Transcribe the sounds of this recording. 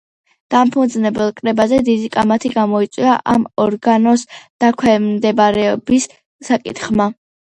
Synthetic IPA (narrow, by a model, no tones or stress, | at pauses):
d̪̥ampʰund̪znɛbɛlˠkʼɾɛbazɛd̪id̪ikʼamat̪ʰiɡamɔit̪sʼwiaʔamɔɾɡanɔsd̪̥akʰwɛmd̪ɛbaɾɛbisː | akʼḭt̪ʰχma